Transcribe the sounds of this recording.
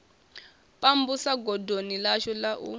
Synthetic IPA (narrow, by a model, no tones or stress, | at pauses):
pʼambusaɡɔdʱonilaʃɔlaʔṵ